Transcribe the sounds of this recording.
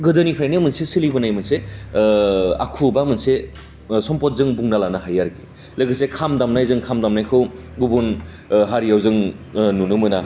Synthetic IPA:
ɡɯdɯnipʰɾajnimɯnsesilibɯnajmɯnse | a̰kʰubamɯnse | sɔmpɔt̚zɯŋbuŋnalanaɦajaɾki | lɯɡɯsekʰamdamnajzɯŋkʰamdamnajkʰɯw | ɡubun | ɦaɾijawzɯŋnunumɯna

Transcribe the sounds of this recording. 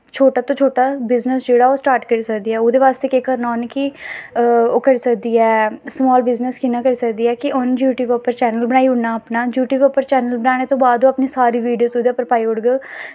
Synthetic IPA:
t͡ʃʰoːʈaːt̪õːt͡ʃʰoːʈaːbɪznəsd͡ʒeːɽaːoːsʈaːɾʈkəɾiːsəkd̪iːɛːoːd̪eːʋaːst̪eːkekəɾnaːnki | oːkəɾiːsəkd̪iːɛːsmɔːlbɪznəskɪnaːkəɾiːsəkd̪iːɛːkɪʔʊnd͡ʒjuːʈjuːbɛpəɾt͡ʃɛːnəlbəɽ̃aːiːʊɳnaːəpnaːd͡ʒjuːʈjuːbɛːpəɾt͡ʃɛːnəlbəɽaːɽ̃eːt̪õːbaːd̪oːəpniːsaːɾiːʋiːɖijoːsod̪aːpəɾpaːiːʊɽɡə

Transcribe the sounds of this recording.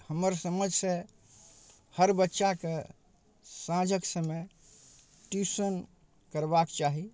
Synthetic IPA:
həməɾsəməd͡ʒʱsẽ | həɾbətːʃake | sãd͡ʒʱəksəme | ʈusən | kəɾbakt͡ʃaɦi

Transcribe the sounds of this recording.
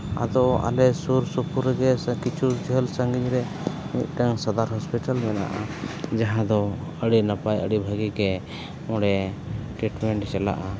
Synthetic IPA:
a̰d̪ɔʔa̰lɛsuɾsupuɾɛɡɛskit͡ʃuɾd͡ʒʱəlsaŋɡiɲɾɛ | mit̪̚ˀʈəŋsad̪aɾɦɔspiʈalmɛna̰ʔa̰d͡ʒaɦãd̪ɔəɽinapajəɽibʱaɡiɡɛ | mɔɽɛʈɾiʈmɛɳʈt͡ʃɛla̰ʔa

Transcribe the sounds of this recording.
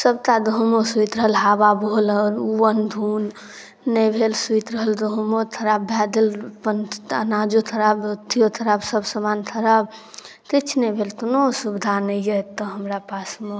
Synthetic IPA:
səbt̪ad̪ʱoɦumosuit̪ɾəɦəlɦababʱolɔɾuwənd̪ʱunː | əbʱelsuit̪ɾəɦəld̪ʱoɦmot̪ʰəɾabːjad̪elpənənad͡ʒot̪ʰəɾabt̪ʰijot̪ʰəɾabsəbsəmant̪ʰəɾab | t̪it͡ʃʰnɛbʱelt̪onosubd̪ʱanəjjət̪ːəɦəmɾapasme

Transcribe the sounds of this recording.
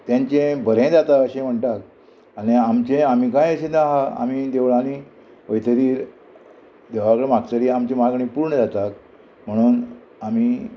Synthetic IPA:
t̪jãɲt͡ɕẽbəɾẽd͡zat̪aəɕẽm̤əɳʈak̚ | aɽiamt͡ɕẽamikãjəɕet̪ãɦaa̰mid̪eʋɭani | əjt̪əɾiːɾ | d̪eʋakɭemaɡ̚t̪əɾiːamt͡ɕẽmaɡɳĩpuɾɳəd͡zat̪ak | m̤əɽ̃uːn | amiː

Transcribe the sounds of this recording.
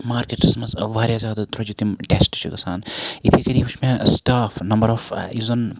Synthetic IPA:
maːɾkeʈsɐmɐzʋaːɾjazʲjaːd̪at̪ɾɐd͡ʒut̪imʈeːsʈt͡ʃʰiɡɐsaːnit̪ʰikɐɾiːbut͡ʃʰmẽsʈaːfnɐmbəɾɔfizɐn

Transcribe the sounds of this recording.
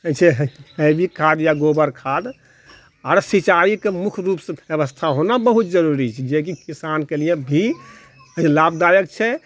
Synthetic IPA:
t͡ʃʰɛɦɦəbikʰːad̪jaɡobəɾkʰad̪ | aːɾsit͡ʃaikemukʰɾupsə̃bjəβəst̪ʰaɦonabəɦut̪̚d͡ʒəɾuɾit͡ʃʰɛd͡ʒekikisankelijebʱi | labd̪ajəkt͡ʃʰɛ

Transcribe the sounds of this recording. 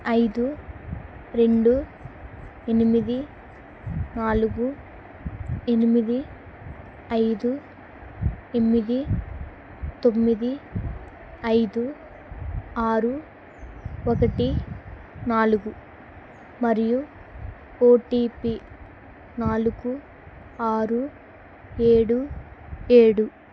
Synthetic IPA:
ɐjd̪u | ɾe̞ɳɖu | enimid̪i | naːluɡu | e̞nimid̪i | ɐjd̪u | e̞mid̪i | t̪o̞mːid̪i | ɐjd̪u | aːɾu | okɐʈi | naːluɡu | mɐɾiju | oːʈiːpi | naːluɡu | aːɾu | e̞ːɽu | eːɽu

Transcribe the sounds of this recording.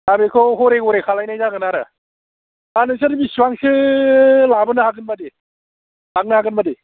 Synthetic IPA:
abekʰɔɦɔɾeɡɔɾekʰalajnajnaɡɯnaɾa̰ | anɯs̬aɾibisuwaŋsɯ | labɯnɯhakɯnmade | lak̚nahakɯnmade

